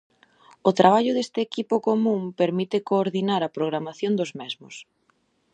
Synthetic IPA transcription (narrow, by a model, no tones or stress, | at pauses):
ʊt̪ɾaβ̞aʎʊðest̪ɪːkipʊkomũmpeɾmit̪ɪkoːɾðinaɾɐpɾoɣ̞ɾamaθjond̪ʊzmɛzmʊs